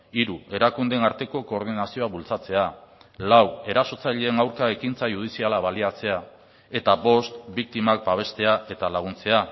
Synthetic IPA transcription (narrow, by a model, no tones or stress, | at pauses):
iɾuʔe̞ɾakund̪enaɾt̪e̞ko̞ko̞ːɾð̞inasio̞aβult͡sat͡se̞alawe̞ɾaso̞t͡saʎeːŋawɾkaekint͡sajuð̞isialaβaliat͡se̞a | e̞t̪aβo̞st̪bik̚t̪imak̚baβ̞e̞st̪e̞aʔe̞t̪alaɣ̞unt͡se̞a